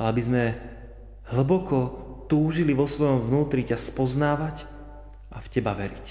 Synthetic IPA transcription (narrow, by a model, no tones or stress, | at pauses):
alɛabizmɛ | ɦ̩bɔkɔt̪uːʒiliʋɔsʋɔjɔmvnuːt̪ɾicaspɔznaːʋac | ʔafcɛbaʋɛɾic